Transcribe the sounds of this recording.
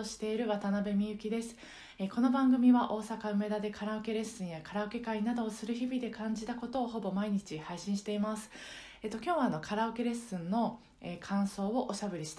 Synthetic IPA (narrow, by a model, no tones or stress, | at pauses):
oɕi̥t̪e̞iɾɯ̟βat̪anabe̞mʲiɯ̟kʲid̪e̞sɨ̥ | eko̞no̞bãŋɡɯ̟mʲiβaʔo̞ːsakaɯ̟me̞d̪ad̪e̞kaɾaoke̞ɾe̞sɨ̃ɰ̃jakaɾaoke̞kainad̪o̞ːsɨɾɯ̟çibʲid̪e̞kãɲ̟d͡ʑit̪ako̞t̪o̞ːɦo̞bomaiɲ̟it͡ɕihaiɕĩɰ̃ɕi̥t̪e̞imasɨ̥ | et̪ːo̞kʲo̞ːβaːno̞kʰaɾaoke̞ɾe̞sːɨ̃nːo̞ | ekʰãɰ̃so̞ːβo̞ʔoɕabɯɾʲiɕi̥t̪